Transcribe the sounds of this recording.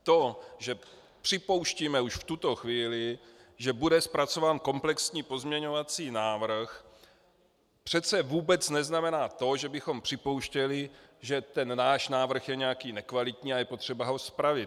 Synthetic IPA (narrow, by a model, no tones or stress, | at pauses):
t̪o̞ʒɛ | pr̥ɪpo̞wʃciːmɛuʃft̪ut̪o̞xviːlɪʒɛbudɛspɾat͡so̞vaːnko̞mplɛksɲiːpo̞zmɲɛɲo̞vat͡siːnaːvr̩x | pr̥ɛt͡sɛvuːbɛt͡snɛznamɛnaːt̪o̞ʒɛbɪxo̞mpr̥ɪpo̞wʃcɛlɪʒɛt̪ɛnnaːʃnaːvr̩xjɛɲɛjakiːnɛkvalɪt̪ɲiːajɛpo̞t̪r̝̥ɛbaɦo̞spɾavɪt